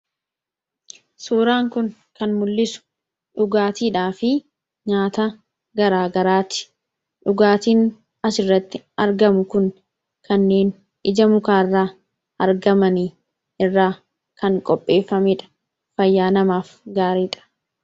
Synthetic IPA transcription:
suːɾaːŋkʊn | kɐnmʊlːɪsʊ̥ | ᶑʊɡaːt̪iːᶑaːfɪ | ɲaːt̪ɐ | ɡɐɾaːɡɐɾaːt̪ɪ̥ | ᶑʊɡaːt̪iːn | ɐsɪrːɐt̪ːɪ | ɐɾɡɐmʊkʊn | kʰɐnːeːn | ʔɪd͡ʒɐmʊkaːɪrːaː | ɐɾɡɐmɐniː | ɪrːaː | kɐŋkʼɔpʼːe̞ːfːɐmɪᶑɐ̥ | fɐjːaːnɐmaːfɡaːɾiːᶑɐ̥

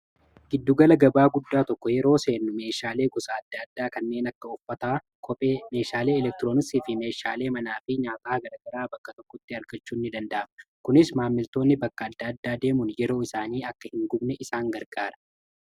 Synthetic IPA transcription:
ɡ̥ɪd̪ːʊɡɐlɐɡɐbaːɡʊd̪ːaːt̪ɔkːɔjɛɾo̞ːse̞ːnːʊme̞ːʃaːle̞ːɡɔsaːd̪ːɐd̪ːaːkɐnːe̞ːnɐkːɐʊfːɐt̪aː | kʰɔpʼeːme̞ːʃaːle̞ːɛlɛk̚t̪ɪɾo̞ːnɪsiːfɪme̞ːʃaːle̞ːmɐnaːfɪɲaːt̪ɐaːɡɐɾɐɡɐɾaːbɐkːɐt̪ɔkːɔt̪ːɪɐɾɡɐt͡ʃːuːɪnːɪd̪ɐnd̪ɐʔɐmkʊnɪsmaːmːɪlt̪o̞ːnːɪbɐkːɐːd̪ːɐɐd̪ːaːd̪eːmʊnjɛɾo̞ːɪsaːniːɐkːɐhɪŋɡʊbnɛʔɪsaːŋɡɐɾɡaːɾɐ̥

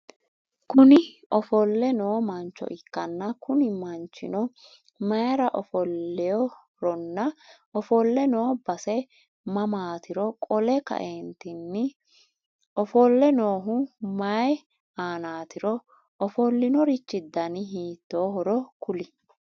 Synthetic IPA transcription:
kʊnɪʔɔfɔlːɛnoːmɐnt͡ʃːɔ̰ʔɪkːɐnːɐkʊnɪmɐnt͡ʃːɪ̰nɔ | mɐjɾɐʔɔfɔlːɛjɔ | ɾɔnːɐ | ɔfɔlːɛnoːbɐsɛ | mɐmaːt̪ɪɾɔkʼɔlɛkɐ̰ʔɛnt̪ɪnːɪ | ʔɔfɔlːɛnoːɦʊmɐj | aːnaːt̪ɪɾɔ | ɔfɔlːɪnɔɾɪt͡ʃːɪd̪ːɐnɪɦiːt̪ːoːɦɔɾɔkʊlɪ

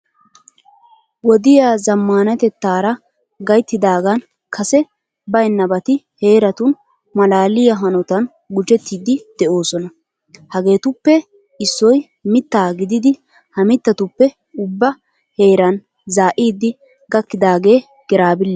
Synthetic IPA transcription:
wɔd̪ɪjaːzɐmːaːnɐt̪ɛt̪ːaːɾɐ | ɡɐjt̪ːɪd̪aːɡɐn | kʰɐsɛ | bɐjnːɐbɐt̪ɪhe̞ːɾɐt̪ʊn | mɐlaːlɪjɐɦɐnɔt̪ɐn | ɡʊd͡ʒɛt̪ːiːd̪ɪd̪̥ɛʔo̞ːsɔnɐ | hɐɡe̞ːt̪ʊpːɛ | ɪsːɔj | mɪt̪ːaːɡɪd̪ɪd̪ɪ | hɐmɪt̪ːɐt̪ʊpːɛ | ʊbːɐ | he̞ːɾɐn | zaːʔiːd̪ːɪ | ɡɐkːɪd̪aːɡe̞ː | ɡ̥ɪɾaːbɪlːɛ

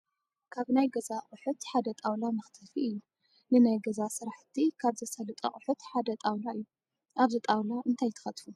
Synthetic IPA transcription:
kʰaβnajɡɐzaqʼʊħut̪ħad̪ɐt̪ʼawlamɨxt̪ʰɨfiʔɨjːu | nɨnajɡɐzasɨɾaħt̪ʰikʰaβzɐsɐlɨt̪ʼɐ̰χʼʊħut̪ħad̪ɐt̪ʼawlaɨjːu | ʔaβzɨt̪ʼawlaʔɨnt̪ʰajt̪ʰɨ̥xɐt̪fu

